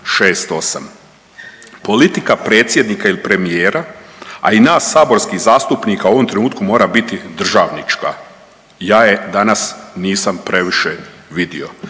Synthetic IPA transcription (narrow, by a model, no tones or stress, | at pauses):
ʃeːst̪o̞sa̰m | po̞lit̪ikapɾeːt̪sje̞d̪nikailipɾe̞mijeːɾaa̰inaːsːaːbo̞ɾskizaːst̪upnikauo̞ʋo̞mt̪ɾe̞nuːt̪kumoːɾabit̪id̪r̩ʒaːʋnit͡ʃka̰ | jaːje̞d̪anasniːsampɾe̞ʋiʃeʋid̪io̞